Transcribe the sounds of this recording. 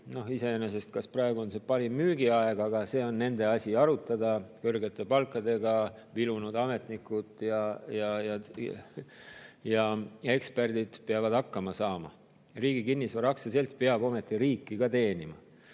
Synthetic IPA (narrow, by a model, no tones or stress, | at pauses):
no̞hise̞enes̬e̞st̪̚kɑsprɑe̞ɡ̥uo̞nse̞pɑɾimːyːɡ̥iɑeɡ̥ɑɡ̥ɑse̞ːo̞nːe̞nd̪e̞ɑsʲiɑɾut̪ːˑɑd̪ɑkørɡe̞t̪ːˑe̞pɑlkːˑɑd̪e̞ɡ̥ɑvilunud̪ɑme̞t̪nikːˑut̪ˑjɑjɑjɑ | jɑe̞kspe̞rd̪̥id̪̥peɑvɑd̪̥ɑkːɑmɑsɑːmɑ̰ | riːɡ̥ikinːisvɑɾɑksese̞lt̪̚peɑbo̞me̞t̪ːˑiɾiːkːˑikɑt̪e̞ːnimɑ̰